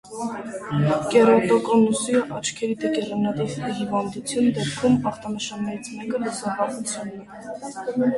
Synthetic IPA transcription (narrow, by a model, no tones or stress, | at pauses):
kɛɾɔt̪ɔkʼɔnusiʔɑt͡ʃʰkʰɛɾid̪ɛkɛɾɛnɑt̪iviɦivɑnd̪ut͡sʰjund̪ɛp̚kʰumɑχt̪ɑnəʃɑnːɛɾit͡sʰmɛkəd̪usɑbɑχut͡sʰjunːɛ